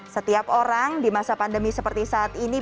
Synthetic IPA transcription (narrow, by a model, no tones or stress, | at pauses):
sət̪iapoɾaŋdimasapandəmisəpərt̪isaːt̪ini